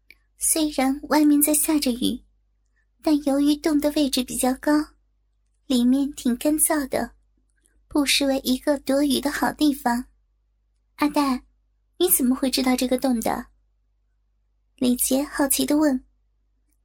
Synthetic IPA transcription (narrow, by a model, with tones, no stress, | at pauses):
swe˥ɪɻa˧˥nwa˥˧˩nmjɛ˥˧nt͡sa˥˧ɪɕja˥˩ʈ͡ʂə˩y̰˨˩ | t̪a˥˩njo˧˥ʊy˧˥t̪ʊ˥˩ŋd̪ə˩we˥˩ɪʈ͡ʂɻ̩˧˩pi˨˩t͡ɕjɑ˥˩ʊkɑ˥ʊ | li˨˩mjɛ˥˩nt̪ʰi˨˩ŋkə˥nt͡sɑ˥˩ʊd̪ə̰˩ | pu˥˧ʂɻ̩˥˧we˧˥˩ɪʔi˧˥ɡə˧t̪wɔ˧˥y˨˩d̪ə˦xɑ˨˩ʊt̪i˥˩fɑ˨˩ŋ | a˥˧t̪a˥˩ | ni˧˥t͡sə˨˩mə˦xwe˥˧ɪʈ͡ʂɻ̩˥t̪ɑ˥˧ʊʈ͡ʂɤ˥˩ɡə˩t̪ʊ˥˩ŋd̪ə̰˩ | li˨˩t͡ɕjɛ˧˥xɑ˥˩ʊt͡ɕʰi˧˥d̪ə˧wə˥˩n